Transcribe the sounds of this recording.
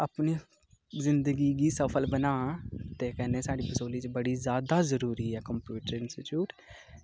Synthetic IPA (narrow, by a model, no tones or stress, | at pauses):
əpni | zɪ̃nd̪əɡiɡisəpʰəlbənaːt̪ekɛnesaːɽipəsoːlit͡ʃebəɽizjaːd̪azəɾuːɾiɦɛːkəmpjuːʈəɾɪnsɪʈjuːʈ